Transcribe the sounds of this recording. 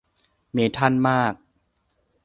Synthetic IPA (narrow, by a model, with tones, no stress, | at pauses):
meː˨˦t̪ʰa˥˩nmaː˥˩k̚